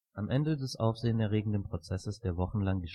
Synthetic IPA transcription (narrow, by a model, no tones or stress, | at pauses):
ʔamʔɛndədɛsʔa̰ʊfz̥eːənɛɐʁeːɡŋ̩dənpʁ̥ot͡sɛsəsd̥eːɐvɔχn̩laŋəʃ